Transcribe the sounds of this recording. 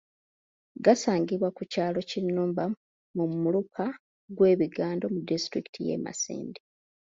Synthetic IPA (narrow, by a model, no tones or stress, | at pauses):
ɡasaːɲɟiβwakucaːlo̞cinːuːmba | mummulukʰa | ɡwe̞ːβiɡaːndo̞mudistɾiki̥tʰije̞̰ːma̰sḭːndi